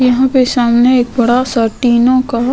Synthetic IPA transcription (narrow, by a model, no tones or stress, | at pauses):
jɐɦãpesaːmneeːk̚bɐɽasəːʈiːnõka